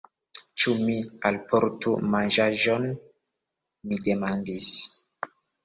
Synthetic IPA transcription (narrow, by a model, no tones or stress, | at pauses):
t͡ʃumialpoɾtumanʒaʒon | mide̞mandis